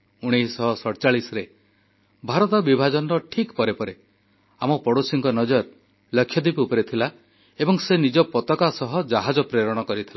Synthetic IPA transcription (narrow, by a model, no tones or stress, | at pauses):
uɽ̃ejsɔɦɔsɔɽt͡ʃaɭisɾe | bʱaɾɔt̪ɔbibʱad͡ʒɔnɾɔʈʰikpɔɾepɔɾe | amɔpɔɽosiŋkɔnɔd͡ʒɔɾ | lɔkʰːjɔd̪ibiupɔɾit̪ʰila | ebɔŋsenid͡ʒɔpɔt̪ɔkasɔɦɔd͡ʒaɦad͡ʒɔpɾeɾɔɽ̃ɔkɔɾit̪ʰila